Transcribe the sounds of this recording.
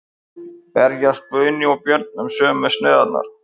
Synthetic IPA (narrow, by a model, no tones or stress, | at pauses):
pɛɾjast̪̚pœɥnɪɔpjœɾt̪̚nʏmsœːmːɛsnɛːðat̪na̰ɾ̥